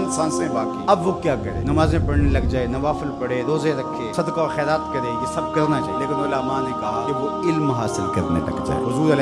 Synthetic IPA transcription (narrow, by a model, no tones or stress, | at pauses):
ɪnsãːnsẽbaːkiːɐbʋokjaːkɐɾḛːnɐmaːzẽpɐɽnelɐɡd͡ʒaːenɐʋaːfɪlpɐɽeːɾoːzẽɾɐkʰːeːsɐd̪kaoxɛːɾaːt̪kɐɾeːjesɐb̚kɐɾnat͡ʃa̰ːieleːkɪnolaːmãːnẽkɐɦakeʋo | ɪlmɦaːsɪlkɐɾnḛt̪ɐ̰kd͡ʒa̰ːḛɦʊzuːɾel